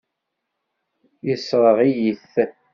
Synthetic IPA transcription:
jəsɾˤəʁijiθ

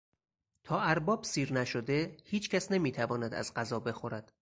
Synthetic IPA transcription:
t̪ʰɒːæɾbɒːb̥siːɾnæʃod̪e̞hiːt͡ʃʰcʲʰæsnemiːt̪ʰævɒːnæd̪æ̰zɢæzɒːbe̞xoɾæd̪̥

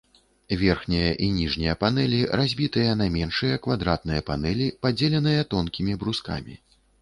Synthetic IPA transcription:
vʲɛrxnʲɐjɐʔinʲiʐnʲijɐpanɛlʲiɾazʲbʲit̪ɨjɐnamʲɛnʂɨjɐkvad̪ɾat̪̚nɨjɐpanɛlʲipad͡zʲelʲɛnɨjɐt̪ɔnkʲimʲibɾuska̰mʲḭ

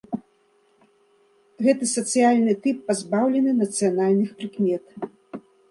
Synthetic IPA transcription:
ɣɛt̪ɨsɐt̪sɨjalʲnɨt̪ɨpːazbawlʲɛnɨnɐt̪sɨjanalʲnɨxpɾɨkmʲɛt̪

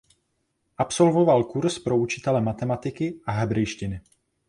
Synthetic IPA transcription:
ʔapso̞lvo̞valkuɾspɾo̞ut͡ʃɪ̥t̪ɛlɛmat̪ɛmat̪ɪkɪʔaɦɛbɾɛjʃcɪnɪ

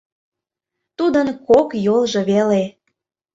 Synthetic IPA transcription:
t̪ud̪ənkokjolˠʒɤ̆βele

